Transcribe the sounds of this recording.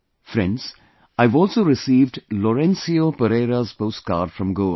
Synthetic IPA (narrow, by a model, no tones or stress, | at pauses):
fɾɛ̰̃nɖz̥ | aɪvɔːlˠsoːɾɪsiːvɖlɔɾɛ̃nsiopəɾeːɾazpoʊst̚ka̰ːɖ̥fɹɔ̃mɡoːl